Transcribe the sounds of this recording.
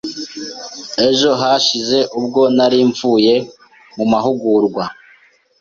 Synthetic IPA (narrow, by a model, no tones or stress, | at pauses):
e̞ʒo̞ɦaʃize̞ʔub̚ɡo̞naɾiɱvuːje̞ | mumaɦuɡuːɾɡwa